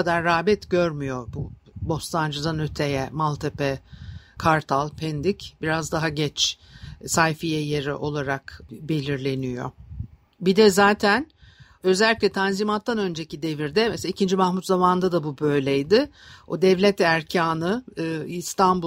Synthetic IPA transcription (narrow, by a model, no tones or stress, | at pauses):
ad̪aɾːaːbɛt̪ɟø̞ɾmyjo̞bubo̞st̪and͡ʒazanøt̪ʰejɛmalˠt̪ʰepɛkʰaɾt̪ʰalˠpʰɛnd̪icbiɾazd̪aɦaɟɛt͡ʃ | sajfijɛjeɾḭʔo̞lˠaɾakbe̞lʲiɾlʲe̞nijo̞̰ | bid̪ɛzaːt̪ʰæn | ø̞zælʲːicʲlʲɛt̪ʰanzimat̪ːanø̞nd͡ʒe̞cid̪eviɾd̪ɛmɛsaicʰind͡ʒimahmut̪zamand̪ad̪abubø̞jlʲɛjd̪ɪod̪ɛvlʲɛt̪æɾcʰaːnɯist̪ʰanbu